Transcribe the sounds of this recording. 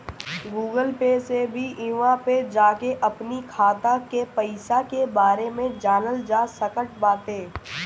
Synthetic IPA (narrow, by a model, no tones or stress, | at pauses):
ɡuːɡəlpesebʱiʔɪʋãped͡ʒaːkeʔɐpnikʰaːt̪ãkepəɪsakebaːɾemẽd͡ʒaːnəld͡ʒaːsəkəʈ̚baːt̪eː